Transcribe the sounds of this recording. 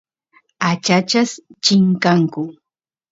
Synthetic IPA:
at͡ʃat͡ʃast͡ʃɪŋkaŋkʊ

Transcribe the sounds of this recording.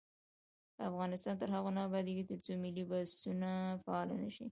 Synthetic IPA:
afɣɑnɪst̪ɑnt̪əɾɦaɣonɑbɑd̪eɡit̪əɾt͡somɪlibassunafaɑla̰naʃḭ

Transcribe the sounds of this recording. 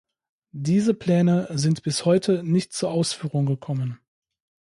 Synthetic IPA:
d̥iːzəpl̥ɛːnəzɪntb̥ɪshɔʏtʰənɪçtt͡suːɐʔaʊsfyːʁʊŋɡəkʰɔmən

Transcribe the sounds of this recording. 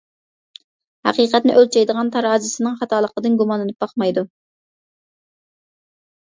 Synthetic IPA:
hæ̰qiːqɛt̪nɪʔølt͡ʃʰɛjd̪əʁɑnt̪ʰɑɾɑːzɨsɨnɨŋχɑt̪ʰɑːlˠəqəd̪ɨnɡumɑnlːɨnɨp̚bɑχmɑjd̪u

